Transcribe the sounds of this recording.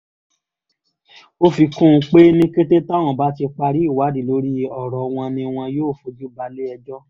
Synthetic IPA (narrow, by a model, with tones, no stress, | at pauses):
o˦fi˧kũ˦˧k͡pe˦nĩ˦ke˦te˦ta˦˨w̃ɔ̃˨ba˦ti˧k͡pa˧ɾi˦˨wa˨˦di˨lo˨˦ɾi˦˧ɔ˨ɾɔ˨w̃ɔ̃˧nĩ˧w̃ɔ̃˧joː˦˨fo˧d͡ʒu˦ba˧le˦ɛ˧d͡ʒɔ˦